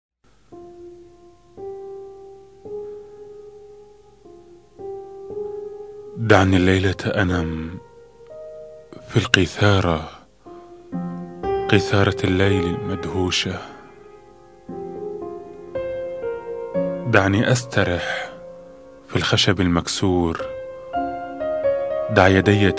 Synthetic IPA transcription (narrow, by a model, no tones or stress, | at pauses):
d̪aʕnilːajlaʔanam | filqiθɑːɾˤɑ | qiθɑːɾˤɑlːajlɪlmad̪huːʃa | d̪aʕniʔast̪ɑɾˤɪħ | filxaʃabɪlmaksuːɾ | d̪aʕjad̪ɪjːa